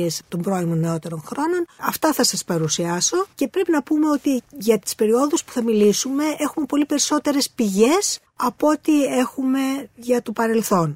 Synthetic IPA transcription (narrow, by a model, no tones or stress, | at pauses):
est̪o̞mbɾo̞imoneo̞t̪e̞ɾo̞nxɾo̞no̞nɐft̪ɐθɐsɐspɐɾusiɐso̞ce̞pɾe̞pinɐpume̞ot̪iʝɐt̪i̥spe̞ɾio̞ðuspu̥θɐmilisume̞e̞xume̞po̞lipe̞ɾiso̞t̪e̞ɾe̞spiʝe̞s | ɐpo̞t̪ie̞xume̞ʝɐt̪o̞pɐɾe̞lθo̞n